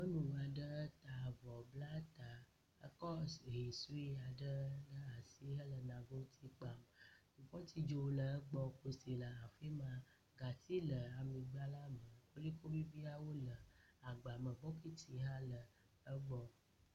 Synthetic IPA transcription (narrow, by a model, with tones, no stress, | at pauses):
mə˦nũ˨a˨ɖə˦t̪a˨vɔ˨bla˦t̪a˨ | ə˦kɔ˦˨ɦi˨su˦i˦a˨ɖə˦nə˦a˨si˦ɦə˦lə˨nã˨ɡo˦t̪ʰi˦k͡pa˨m˨t̪u˨ɸɔ˦t̪i˨d͡ʒo˨˦lə˨ə˦ɡ͡bɔ˦ko˨si˨lə˨a˨fi˦mã˨ | ɡa˨t̪i˦lə˨a˨mĩ˨ɡ͡ba˦la˦mə˨wo˦li˦ko˦bi˦bi˦a˦wo˦lə˨a˨ɡ͡ba˨mə˨bɔ˦ki˦t̪i˨ɦa˦lə˨ | ə˦ɡ͡bɔ˦